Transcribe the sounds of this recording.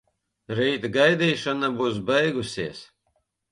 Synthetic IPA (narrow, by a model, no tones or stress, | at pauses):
ɾiːt̪ɡajd̪iːʃanabuːs̬bɛjɡusʲiɛs